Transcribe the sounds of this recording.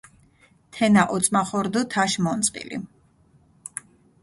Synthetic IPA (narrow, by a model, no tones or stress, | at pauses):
t̪ʰɛnaʔɔt̪sʼmaχɔɾd̪ɔt̪ʰaʃmɔnt̪sʼqʼḭlḭ